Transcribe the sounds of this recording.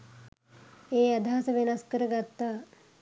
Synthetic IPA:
eːɐd̪ʱaːsɐʋenɐskəɾəɡat̪ːaː

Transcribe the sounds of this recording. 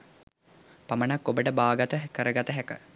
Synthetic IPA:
pamənakːobəʈəbaːɡat̪əɦkəɾəɡat̪əɦækə

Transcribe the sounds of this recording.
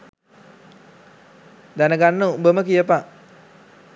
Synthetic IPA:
d̪anəɡanːəubəməkijəpa

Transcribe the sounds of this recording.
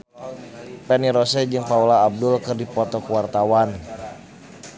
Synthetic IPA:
pɛniɾɔsɛd͡ʒɨŋpaulaːb̚dʊlkɨrdipɔt̪ɔkuwart̪awan

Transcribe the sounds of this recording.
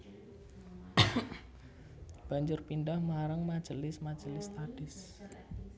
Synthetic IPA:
b̥a̤ɲd͡ʒʊrpindahmaɾəŋmad̥ʒ̥əlɪsmad̥d͡ʒ̥əlɪst̪aɖ̥ɪs

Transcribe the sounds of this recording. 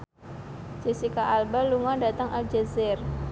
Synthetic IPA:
d͡ʒisikaʔalbaluŋɔdat̪əŋʔald͡ʒɛzɪr

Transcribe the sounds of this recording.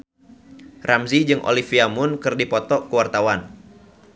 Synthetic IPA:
rʔamzid͡ʒɨŋʔo̰lifiamʊnkɨrdipɔt̪ɔkəwart̪awan

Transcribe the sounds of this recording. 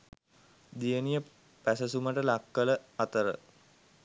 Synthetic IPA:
d̪ijənijə | pæsəsuməʈəlakːələat̪əɾə

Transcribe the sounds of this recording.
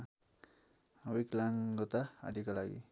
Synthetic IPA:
wiklaŋɡot̪aa̰d̪ʱikolaɡḭ

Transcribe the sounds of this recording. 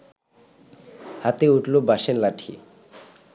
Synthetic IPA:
hat̪euʈlobaʃeɾlaʈʰḭ

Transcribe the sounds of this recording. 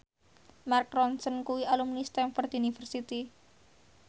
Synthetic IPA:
markɾɔnsənkuwialumnist̪ɛnfɔrt̪unifərsit̪i

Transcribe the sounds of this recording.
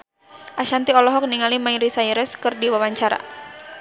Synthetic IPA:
ʔaʃant̪iɔlɔɦɔk̚niŋalimaiɾisaiɾɛskɨrdiwawaɲt͡ʃaɾa̰

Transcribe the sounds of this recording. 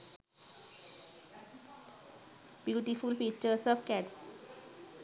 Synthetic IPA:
b̥juːʈifulfit͡ʃəsəfkɛʈs

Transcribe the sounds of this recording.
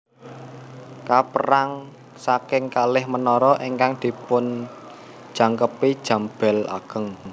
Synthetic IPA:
kapəɾaŋ | sakɪŋkalɪhmənɔɾɔʔiŋkaŋd̪̥i̤pʊn | d̥ʒ̥ä̤ŋkəpid̥ʒ̥ä̤mb̥ɛ̤la̰ɡ̥ə̤ŋ

